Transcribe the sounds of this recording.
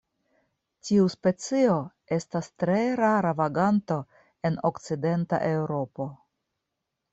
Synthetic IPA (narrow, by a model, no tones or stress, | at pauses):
tiuspe̞t͡sio̞ | e̞stastɾe̞ɾaɾavaɡanto̞ | e̞no̞kt͡side̞nta̰ʔe̞wɾo̞po̞